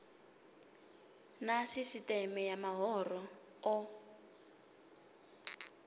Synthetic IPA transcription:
nasisitɛmɛjamaɦɔːrɔ | ɔ

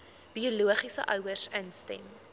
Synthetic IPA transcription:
b̥iɔluəχisəʔœwərsənstɛ̰m

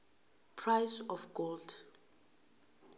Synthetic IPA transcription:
pʰɹajsɔfɡ̥old

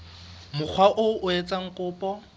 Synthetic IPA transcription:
mʊk͡xʰwaʔʊʊet͡sʼaŋ̩kʼʊːpʼɔ

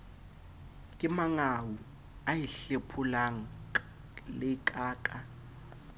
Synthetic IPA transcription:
kʼɪmaŋawu | ajiɬepʰulaŋ̩ | lɪkʼaːkʼa

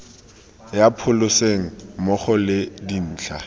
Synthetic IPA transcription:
japʰʊlʊseŋ̩mɔχɔlɪdin̩ːt͡ɬʰa

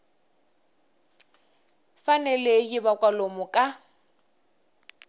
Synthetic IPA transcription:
fanɛlejɪbakʼwalomʊkʼa

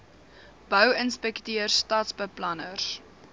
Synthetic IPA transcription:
b̥œwənspɛktiərstɑːtsbəplɐnərs

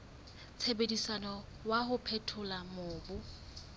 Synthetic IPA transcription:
t͡sʰebedisanɔ | waɦʊpʰɛtʰʊlamʊːbʊ

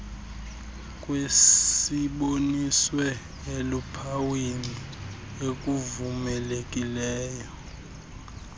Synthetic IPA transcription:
kʼwe | iɓoniswɛ | elupʰawini | ek̬ʼuvumɛlek̬ʼilɛːjɔ

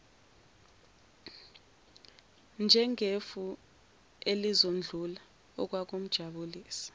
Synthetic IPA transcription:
nd͡ʒʱɛŋʱefu | elizond͡ɮʱula | ɔ̰k̬wak̬um̩d̥ʒ̥ʱaɓuliːsi̥

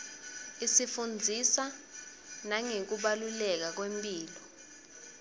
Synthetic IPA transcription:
isifund͡zʱisa | naŋek̬uɓalulɛk̬ak̬wempʼiːlɔ

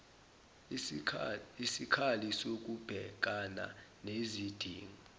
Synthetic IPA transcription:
isikʰalisok̬ʼub̥ʱɛ̰k̬ʼana̰nezid̥ʱiːŋɔ

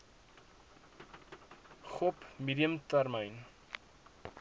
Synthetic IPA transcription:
χɔpmidiəmt̪ærməjn

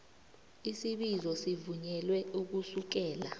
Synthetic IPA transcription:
isiɓizɔsivuɲɛlwɛuk̬usuk̬ɛːla

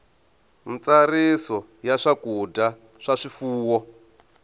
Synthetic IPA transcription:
mit͡saɾisɔ | jaʂakuda | ʂaʂifuːwɔ

